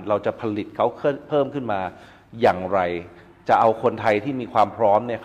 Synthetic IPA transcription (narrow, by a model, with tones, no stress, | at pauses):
ɾa˧wt͡ɕa˨˩pʰa˧li˨˩t̪̚kʰa˦˥wkʰpʰɤː˥˩mkʰɯ˥˩nmaː˧ | jaː˨˩ŋɾa˧j | t͡ɕa˨˩ʔa˧wkʰo˧nt̪ʰa˧jt̪ʰiː˥˩miː˧kʰwaː˧mpʰɾɔː˦˥mni˥˩ɐ